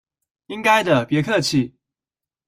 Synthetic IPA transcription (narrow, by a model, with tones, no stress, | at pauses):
i˥ŋka˥ɪd̪ə˨pjɛ˧˥kʰɤ˥˧t͡ɕʰi˥˩